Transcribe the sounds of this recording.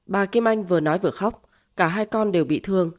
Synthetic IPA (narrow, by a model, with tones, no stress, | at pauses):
ɓaː˨˩ki˧mʔa˧jŋ̟vɨ˨˩ənɔ˨˦jvɨ˨˩əxa˦˥wk͡p̚ | kaː˧˩ɦaː˧jkɔ˧nɗe˨˩wɓḭ˧˨t̪ʰɨ˧əŋ